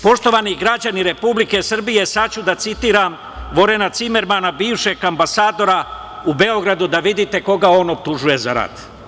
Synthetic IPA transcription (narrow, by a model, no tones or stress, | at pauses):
po̞ʃt̪o̞ʋaniɡɾad͡ʑaniɾe̞publike̞sr̩bije̞sat͡ɕud̪at̪sit̪iːɾam | ʋo̞ɾe̞nat̪sime̞ɾmanabiːʋʃe̞ɡambasaːd̪o̞ɾa | ube̞o̞ɡɾad̪ud̪aʋid̪it̪e̞ko̞ɡao̞ːno̞p̚t̪uʒuje̞za̰ɾa̰d̪̥